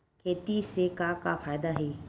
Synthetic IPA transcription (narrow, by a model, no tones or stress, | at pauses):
kʰeːt̪isekakafaːjd̪aɦeː